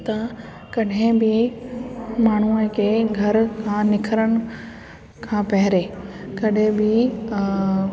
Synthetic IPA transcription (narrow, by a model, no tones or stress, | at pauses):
t̪a | kɐɗɦɪ̃bɪ | maːɳ̤uəkʰeːɡʱɐɾkʰãːnɪkʰəɾəɽ̃ɪ̆ | kʰãːpɐɦɪɾeːkɐɗɦɪ̃bɪ